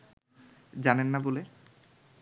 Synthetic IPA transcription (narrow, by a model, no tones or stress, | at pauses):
d͡ʑanenːabole